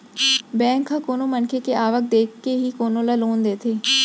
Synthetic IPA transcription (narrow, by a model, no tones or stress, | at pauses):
bɛ̃ːŋkʰːãːkoːnõːmənkʰeːkeʔaːʋək̚d̪eːkʰːeɦiːkoːnõːlaːloːnd̪eːt̪ʰeː